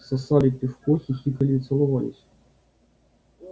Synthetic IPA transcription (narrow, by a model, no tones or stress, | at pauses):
sɐsɑlʲit̪ːɪfkɔsʲisʲikɐlʲit̪sɛlˠʊʋɑlʲɪ̰sʲ